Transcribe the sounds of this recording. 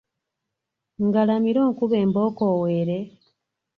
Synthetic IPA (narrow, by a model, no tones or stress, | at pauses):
ŋɡalamiɾo̞ːŋkuβe̞ːmbo̞ːko̞ːweɾe̞